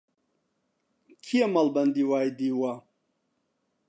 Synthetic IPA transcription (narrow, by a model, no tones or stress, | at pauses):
kʰiɐmɐlbɐnd̪iwaːjd̪iːwa